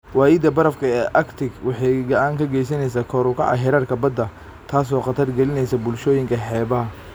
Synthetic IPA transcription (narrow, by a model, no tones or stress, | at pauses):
wɑːjɪd̪ɐbɐɾɐfkʰɐɛːʔɐkt̪ʰɪɡwɑħɑɡɐʔaːŋkʰɐɡɛjsɐnɛjs̬aːkʰɔɾʊkʰɐ̰ʕɑ̰ɦɪɾaːrkʰɐbɐd̪ɐ | t̪ʰaːsɔːqɑt̪ʰɐrɡɛlɪnɛjsɐbʊlʃɔːjɪŋkʰɐħɛːβɐɦɐ